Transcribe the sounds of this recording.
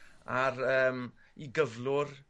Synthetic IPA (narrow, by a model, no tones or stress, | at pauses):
aɾəːm | iɡəvlʊr